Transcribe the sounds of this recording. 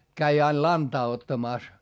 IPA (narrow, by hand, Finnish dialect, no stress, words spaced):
kæi ɑil lɑntɑː otːɑmɑˑs